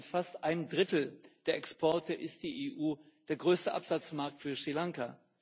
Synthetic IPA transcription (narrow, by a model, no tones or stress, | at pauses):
tfastʔaɪnəmdʁɪtl̩d̥eːɐʔɛkspʰɔɐtəʔɪst̚d̥iːʔeːʔuː | d̥eːɐɡʁøːstəʔa̰pz̥at͡smaɐk̚tfyːɐʃʁ̥ilaŋka